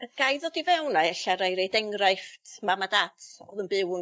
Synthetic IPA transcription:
əɡ̥ajðodivɛwnaɛɬaɾajɾejdɛŋrajftʰmamadatʰɔ̰ðənbɪw

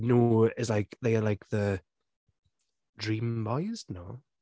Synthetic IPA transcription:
noːɪslaɪkðeɪəlaɪk̚ʰðə | dɹĩːmbɔɪɪzno

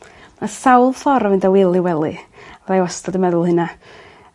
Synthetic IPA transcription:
masawlˠfɔɾəvɨndawɪlˠɪwɛlˠɨrajwɔstɔdəmɛðʊlˠhɨna

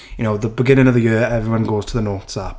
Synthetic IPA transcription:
jəñoʊðəbɪɡɪ̃ñɪ̃ŋəvðəjɪəɛvɹiwʌ̃nɡoʊz̥tʰəðənoˑtsap

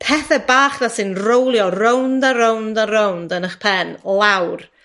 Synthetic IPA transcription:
pʰɛθɛbaːχðasɨnrowlˠjɔrowndaɾowndaɾowndənəχpʰɛnlˠawr

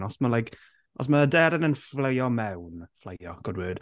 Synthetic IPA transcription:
nɔsməlajk | ɔ̰s̬mədɛɾənənflejɔmɛwnflˠḛjɔɡ̥ɔdwɨːd̥

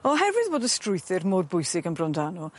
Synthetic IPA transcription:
ɔɦɛvɨðboːdəstrʊjθɪrmoːrbʊjsɪɡənbrɔndanu

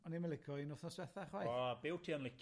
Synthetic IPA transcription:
ɔniməlɪkʰɔinʊθnɔswɛθaχwajɔbɪwtʰiːənlˠɪk

